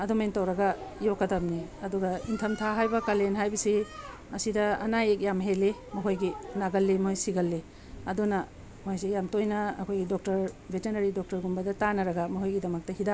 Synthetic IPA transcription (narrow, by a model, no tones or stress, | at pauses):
ɐdomejntɐwɾɐɡɐjokːɐtɐbniɐduɡɐintʰɐmtʰaɦajbɐkalenɦajbɐsi | ɐsidɐɐ̰najek̚jamɦelimɐɦojɡinaɡɐlːimɐɦojsiɡɐlːi | ɐdunɐ | mojsejamtojnɐɐ̰kʰojɡidok̚tɐɾbʱetenɐɾidok̚tɐɾɡumbɐdɐtanɐɾɐɡɐmɐɦojɡidɐmɐk̚tɐhida